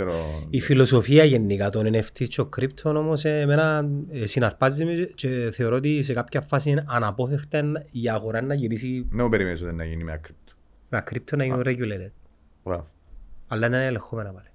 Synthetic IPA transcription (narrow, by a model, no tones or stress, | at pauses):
ɾoifilo̞sofiɐʝenːikat̪onineft̪ʰit͡ʃːokɾip̚t̪ʰono̞mosemenɐsinɐɾpɐzmet͡ʃeθe̞oɾoot̪̬is̬ekapçɐfːasinɐnɐpo̞feft̪eniaɣoɾɐnːɐʝiɾisinemupeɾimenisot̪inːɐʝinimeɐ̰kɾip̚t̪ʰo̥ | meɐkɾip̚t̪ʰonːɐʝinureɟulet̪ed̪̥̚ | bɾa̰voɐlːɐnenɐelexomenɐpɐle̥